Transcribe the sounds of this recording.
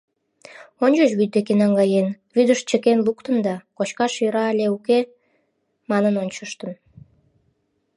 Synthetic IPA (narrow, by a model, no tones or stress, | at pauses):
onʲt͡ʃəʃβyd̪̚d̪ekenɑŋɡɑjen | βyd̪əʃt͡ɕəkenlukt̪ənd̪ɑkot͡ɕkɑʃiɾɑːlʲeuke | mɑnənonʲt͡ɕəʃt̪ən